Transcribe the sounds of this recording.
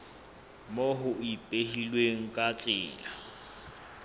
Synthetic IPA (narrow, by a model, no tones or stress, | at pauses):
moɦʊipʼeɦilweŋ̩kʼat͡sʼɪːla